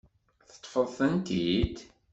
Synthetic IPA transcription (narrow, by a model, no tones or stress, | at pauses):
θə̥t̪ˤːfəðˤθənt̪id̪